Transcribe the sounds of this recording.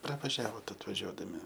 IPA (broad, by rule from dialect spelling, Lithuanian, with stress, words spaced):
prɐʋɐˈʒʲæːʋoːt ɐtʋɐˈʒʲuɔdɐmʲɪ